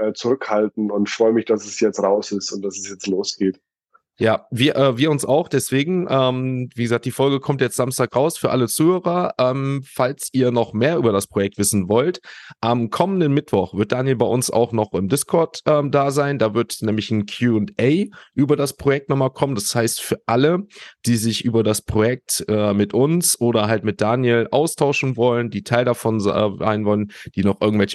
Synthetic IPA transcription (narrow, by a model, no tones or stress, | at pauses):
ɛːt͡suʁʏkhaltn̩ʊntfʁ̥ɔʏəmɪçd̥asɛsjɛt͡stʁaʊsɪstʊnt̚d̥asɛsjɛt͡stloːsɡ̥eːt | jaːviːɐʔɛːviːɐʊnsa̰ʊxd̥ɛsv̥eːɡŋ̩ʔɛːmviːɡəzaːk̚td̥iːfɔlɡəkʰɔmtjɛt͡stz̥amstaːkʁaʊsfyːɐʔalət͡suːhøːʁɐʔɛːmfalsʔiːɐnɔχmeːɐʔyːbɐɾaspʁ̥ojɛk̚tv̥ɪsn̩vɔltʔamkʰɔməndənmɪtv̥ɔχv̥ɪɐt̚d̥aːnjɛlbaɪʔʊnsa̰ʊxnɔχɪmdɪskʰɔɐtʔɛːmdaːzaɪndaːvɪɐtnɛːmlɪçn̩kʰjuːʊntʔɛɪʔyːbɐdaspʁ̥ojɛk̚tnɔχmalkʰɔməndashaɪstfyːɐʔaləd̥iːzɪçʔyːbɐdaspʁ̥ojɛk̚tɛːmɪtʔʊnsʔoːɾɐɦaltmɪt̚d̥aːnjɛlʔaʊstʰaʊʃn̩vɔləndiːtʰaɪldafɔnza̰ɪnvɔlənd̥iːnɔχʔɪɐɡŋ̩tvɛlçə